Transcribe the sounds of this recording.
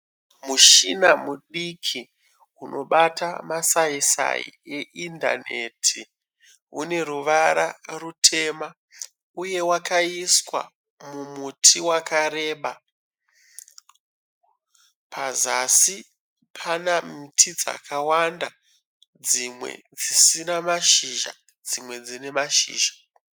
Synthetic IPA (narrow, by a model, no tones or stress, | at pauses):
muʃinamuɗikʰi | unʔo̞ɓatamasaisa̰ḭeʔinda̰ne̞̰tʰi | une̞ruʋaɾarutʰe̞ma | uje̞wakaiswa̰ | mumutʰiwakaɾe̞ːɓa | pʰazasi | pʰanamitʰid͡za̰kʰawanda | d͡zimwḛd͡zisinamaʃiʒa̰ | d͡zimwe̞d͡zine̞maʃḭːʒḁ